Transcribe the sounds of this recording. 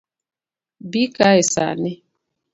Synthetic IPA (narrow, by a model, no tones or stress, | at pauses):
bikaɛsa̰nɛ